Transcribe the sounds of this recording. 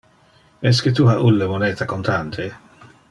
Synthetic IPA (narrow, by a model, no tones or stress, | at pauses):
ɛs̬ket̪uhaʔulːəmoneːt̪akont̪ant̪ʰe